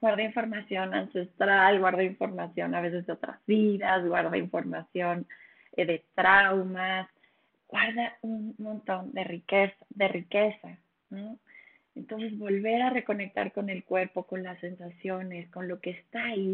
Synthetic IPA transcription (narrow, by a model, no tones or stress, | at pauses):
ɣwaɾðaiɱfo̞ɾmasjo̞nanse̞st̪ɾalɣwaɾðaiɱfo̞ɾmasjo̞̰naβ̞e̞s̬e̞zðeo̞t̪ɾa̰zβiðazɣwaɾðaiɱfo̞ɾmasjo̞n | ðe̞t̪ɾawmas | ɣ̥waɾðaunmõ̞nt̪o̞nd̪e̞rikesd̪e̞rike̞sa | no | e̞nt̪o̞ns̬e̞zβo̞lβe̞ɾare̞ko̞ne̞k̚t̪a̰ɾko̞ne̞lkwe̞ɾpo̞ko̞nlasːe̞nsasjo̞ne̞sko̞nlo̞ke̞ːst̪ai